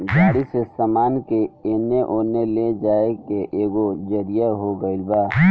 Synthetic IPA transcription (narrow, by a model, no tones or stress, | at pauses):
ɡaːɽisesamaːnkeeːneʔoːneled͡ʒaːekeʔeːɡod͡ʒəɾijaɦoɡəɪlbaː